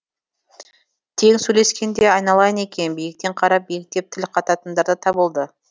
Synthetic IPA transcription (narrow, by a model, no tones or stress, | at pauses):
t̪ʰe̞ŋsɵjle̞skʲe̞nd̪e̞ɑjnɑlˠɑjəne̞kʲe̞nbijɪk̚t̪e̞ɴqʰɑɾɑp̚bejɪk̚t̪e̞p̚t̪ʰɪlqʰɑt̪ɑt̪ənd̪ɑɾd̪ət̪ʰɑbəlˠd̪ə